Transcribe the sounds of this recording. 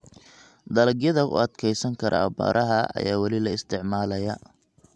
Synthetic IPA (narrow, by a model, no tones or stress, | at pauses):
d̪ɐlɐɡjɐðɐʔʊ̰ɐd̪kʰɛjsɐŋkʰɐɾʔɐ̰ɐ̰ba̰ːɾʔɐɦɐʔɐ̰jaːwɑlɪlɐɪst̪ʰɪʕmaːlɐjɐ